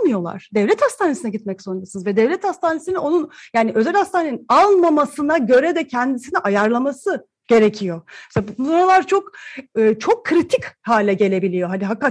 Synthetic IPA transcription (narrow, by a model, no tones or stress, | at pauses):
mɯjo̞lˠa̰ɾ̥d̪ɛvlʲɛt̪hast̪ʰaːnesinɛɟit̪mɛcso̞nɾasɯnɯzvɛd̪ɛvlʲɛt̪ast̪ʰaːnesinino̞nunjaːniʔø̞zælʲhast̪ʰaːneninalˠmamasɯnaɟø̞ɾɛd̪ɛcʰɛnd̪isiniʔajaɾlˠamasɯ | ɟ̥e̞ɾe̞cʰijo̞ɛsabubsoɾalˠaɾt͡ʃʰo̞kɯːt͡ʃʰo̞kʰːɾit̪ʰichaːlʲɛɟe̞lʲe̞bilʲijo̞ɦad̪iɦakːa